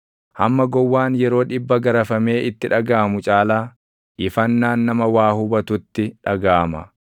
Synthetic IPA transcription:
hɐmːɐɡɔwːaːnjɛɾo̞ːᶑɪbːɐɡɐɾɐfɐme̞ːʔɪt̪ːɪᶑɐɡaːmʊt͡ʃʼaːlaː | ʔɪfɐnːaːnːɐmɐwaːhʊbɐt̪ʊt̪ːɪᶑɐɡaːmɐ

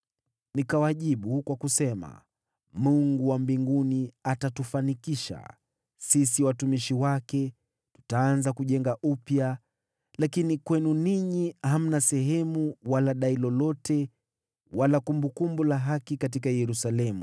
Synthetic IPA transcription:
nikawaʄiɓukwakusɛma̰ | muŋɡuwambiŋɡuniatatufanikiʃa̰ | sisiwatumiʃiwakɛ | tu̥taːnzakuʄɛŋɡaʔupja | lakinikwɛnuniɲiham̩nasɛɦɛmuwalaɗailɔlɔtɛ | walakumbukumbulaɦakikat̬ikajɛɾusalɛmṵ

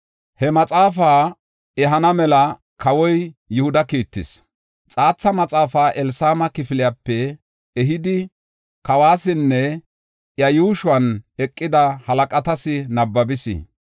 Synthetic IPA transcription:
hɛmɐt͡sʼaːfaː | ɛɦɐnɐmɛlɐ | kɐwɔjjʊhʊd̪ɐkiːt̪ːɪs | t͡sʼaːt͡sːɐmɐt͡sʼaːfaːʔɛlsaːmɐkɪfɪlɪjapːɛ | ɛɦɪd̪ɪ | kɐwaːsɪnːɛ | ʔjɐjuːʃʊɐnɛkʼːɪd̪ɐhɐlɐkʼɐt̪ɐsɪnɐbːɐbɪsɪ̰

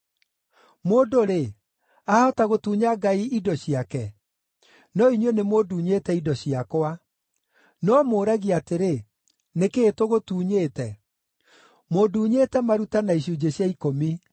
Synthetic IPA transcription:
moːdoɾe | aɔtaɣotuːɲaɡaiidɔɕiakɛ | nɔiɲwenemoduːɲeːtɛidɔɕiakwa | nɔmoːɾaɣiateɾe | nekeːtoɣotuːɲeːtɛ | moduːɲetɛmaɾutanaiɕ̬ud͡ʑeɕjaikomi

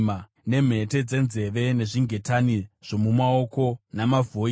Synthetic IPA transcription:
ma | ne̞m̤e̞te̞d͡ze̞nze̞ʋe̞ne̞ʐiŋɡʱe̞taniʐ̥o̞mumaoko̞namavʱo

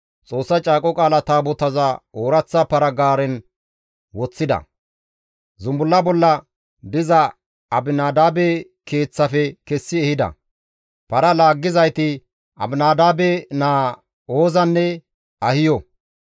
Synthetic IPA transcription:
t͡sʼo̞ːsːɐt͡ʃʼaːkʼɔkʼaːlɐt̪aːbɔt̪ɐzɐoːɾɐt͡sːɐpɐɾɐɡaːɾɛn | wɔt͡sːɪd̪ɐ̰ | zʊmbʊlːɐbɔlːɐ | d̪ɪzɐ | ɐbɪnaːd̪aːbɛ | ke̞ːt͡sːɐfɛkɛsːɪɛhɪd̪ɐ̰ | pɐɾɐlaːɡːɪzɐjt̪ɪ | ʔɐ̰bɪnaːd̪aːbɛnaː | oːzɐnːɛ | ɐhɪjɔ

